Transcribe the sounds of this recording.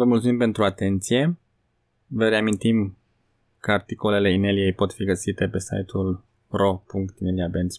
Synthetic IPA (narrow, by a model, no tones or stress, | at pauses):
vəmult̪sumimpe̞nt̪ɾuat̪e̞nt̪sije̞ | vəɾeamint̪im | kəart̪iko̞le̞le̞inelije̞jpo̞t̪fiɡəsit̪e̞pe̞sa̰jt̪ʰul | ro̞puŋkt̪imeliabens